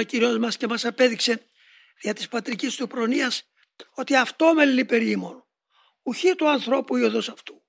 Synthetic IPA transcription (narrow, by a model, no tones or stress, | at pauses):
ociɾio̞zmɐsce̞mɐsɐpe̞ðikse̞ | ðiɐt̪ispɐt̪ɾicist̪upɾo̞niɐs | o̞t̪iɐft̪o̞me̞lːipe̞ɾimo̞no | uçit̪uɐnθɾo̞puioðosɐft̪u